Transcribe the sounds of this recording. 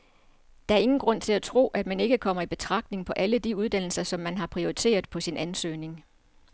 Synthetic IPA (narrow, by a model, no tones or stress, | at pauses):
d̥ɑ̈æɐe̝ŋn̩ɡ̥ʁɔ̽n̰t͡sʰe̝læt͡sʰʁo̝̰ːʔæd̥mæne̝ɡ̥əkʰɒ̽m̰ɐib̥e̝t͡sʰʁɑ̈ɡ̥̚d̥ne̝ŋpʰɒ̽ʔæləd̥iuð̞ˠd̥æn̰l̩sɐsɒ̽mːænɦɑ̈pʰʁioit͡sʰe̝̰ːɐð̩ˠpʰɒ̽sinʔænsø̰ːne̝ŋ